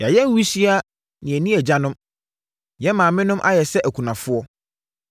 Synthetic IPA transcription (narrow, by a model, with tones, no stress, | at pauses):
ja˨jɛ˦n̩˦wi˦si˦a˦ | nɪ̃˨æ˨nĩ˦æ˨d͡ʑa˦nʊ̃˦m | jɛ˦mã˨mɪ̃˦nʊ̃˦mʔa̰˦jɛ˨sɛ˦ʔæ˨kʰu˨nã˨fʊ˦ɔ˦